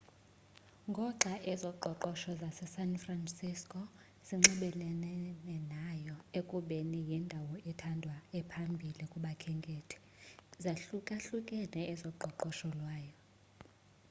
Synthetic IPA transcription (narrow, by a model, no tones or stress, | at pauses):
ŋɡʱɔǃʱaʔɛzɔǃʱɔǃɔʃɔzasɛsanfransiskʼɔ | z̥iŋ͡ǁɛɓɛlɛnɛnɛnajɔekʼuɓenijindʱawɔɛtʰandʱwaɛpʰambʱilikʼuɓakʰɛŋɡʱʼetʰɛ̥ | zaɬukʼaɬukʼɛnɛɛzɔǃʱɔǃɔʃɔlwaːjɔ